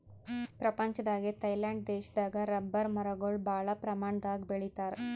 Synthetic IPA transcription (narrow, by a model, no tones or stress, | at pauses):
pɾɐpɐɲt͡ʃɐd̪aːɡet̪ɐjlaːɳɖ̚d̪eːʃɐd̪aːɡɐɾɐbːɐɾmɐɾɐɡoɭbʱaːɭɐpɾɐmaːɳɐd̪aːɡbeɭit̪aːɾ